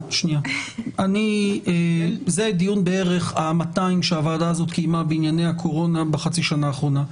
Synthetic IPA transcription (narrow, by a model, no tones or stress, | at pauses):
ʃnijaaniezed̪ijunbee̞ʁe̞χamataimʃeavaːdaːzo̞t̪kijmabeinjane̞jakʰo̞ʁo̞nabeχat͡siʃanaːχʁo̞na